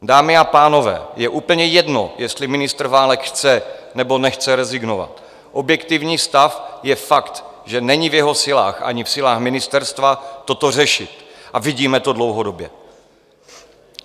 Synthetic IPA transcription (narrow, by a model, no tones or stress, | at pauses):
daːmɪapaːno̞vɛ̰ːjɛʔuːpl̩ɲɛjɛdnojɛst̪lɪmɪnɪst̪r̩vaːlɛkxt͡sɛnɛbo̞nɛxt͡sɛɾɛzɪɡno̞va̰t̪ | ʔo̞bjɛkt̪ɪvɲiːst̪afjɛfakt̪ | ʒɛnɛɲɪvjɛɦo̞sɪla̰ːxʔa̰ɲɪfsɪlaːxmɪnɪst̪ɛɾst̪vat̪o̞t̪o̞r̝ɛʃɪt̪ʔavɪɟiːmɛt̪o̞dlowɦodo̞bjɛ̰